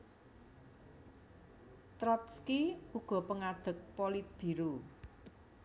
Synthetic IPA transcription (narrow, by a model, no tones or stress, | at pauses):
t̪ɾɔt̪skiuɡ̥ɔ̤pəŋad̪̥ə̤k̚polit̪̚b̥i̤ɾu